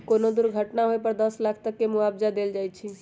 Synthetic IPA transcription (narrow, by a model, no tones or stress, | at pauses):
koːnod̪ʊɾɡʱəʈnaɦoepəɾd̪əslaːkʰt̪əkːemʊaːbd͡ʒad̪eːld͡ʒaːjt͡ʃʰi